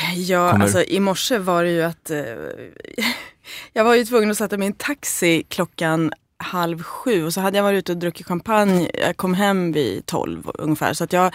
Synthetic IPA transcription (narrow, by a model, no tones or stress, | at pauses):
jɑːa̰sɔʔɪmɔʂəvaɖɛjɵat̪ | jɑːɡvaɾjɵt̪ʰvɵŋːənɔsɛt̪ːamɪnt̪ʰaksɪkʰlɔkːan | halvɧʉ̟ːɔsɔɦad̪ːəjavɑːɾɪtʉ̟ːt̪əɔd̪ɾɵkːɪt̪ɧampʰanjjɑ̰kʰɔmːɦɛmːvɪ̰t̪ʰɔ̰lvɵ̰ŋːəfæ̰ːɾʂɔat̪jɑː